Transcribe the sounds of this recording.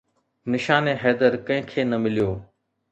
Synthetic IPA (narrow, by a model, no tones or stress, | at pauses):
nɪʃaːnẽːɦeːd̪əɾkə̃ɪ̃ːkʰeːnəmɪlɪjoː